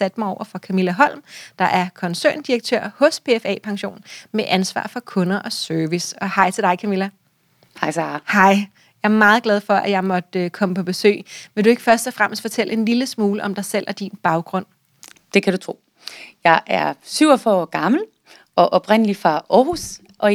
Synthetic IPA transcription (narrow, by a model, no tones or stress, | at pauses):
sæd̥mɑ̈ɪɒʊʔɐfɒkʰæmilæɦɒ̽l̰md̥ɑ̈ʔæɐkʰɒ̽nsø̰ɐnd̥iʁɐɡ̥̚t͡sʰø̰ɐ̰hɔ̽spʰe̝efɛ̰ːpʰɑ̈ŋɕo̝̰ːnmeʔænsʋɑ̰̈ːfɒ̽kʰɔ̽nɐʔɒ̽sœɐʋisɒ̽hɑ̈ɪt͡sʰe̝d̥ɑ̈ɪkʰæmilæ | hɑ̈ɪsɑhɑ̈ɪ | jɑ̈ɪɐmɑ̈ːð̞̩ˠɡ̥lɛð̞ˠfɒ̽ʔæjɑ̈ɪmɒ̽d̥økʰɒ̽məpʰɒ̽b̥e̝sø̰ːʋe̝d̥ue̝ɡ̥əfɶɐsd̥ɒ̽fʁam̰əsd̥fɒ̽t͡sʰeləe̝nliləsmuːləʔɒ̽md̥ɑ̈ɪsel̰æd̥inb̥ɑ̈ʊɡ̥ʁɔ̽n̰ | d̥e̝kʰæd̥ut͡sʰʁo̝̰ː | jɑ̈ɪʔæɐsyʊ̰ɒfœɒ̰ɡ̥ɑ̈ml̩ | ɒ̽ʔɒ̽b̥ʰʁen̰əlifɑɒːhus | ʔɒ̽